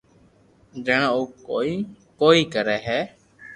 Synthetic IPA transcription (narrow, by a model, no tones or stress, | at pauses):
d͡ʒəɳaːuːi | koːiːkəɾɛːɦɛː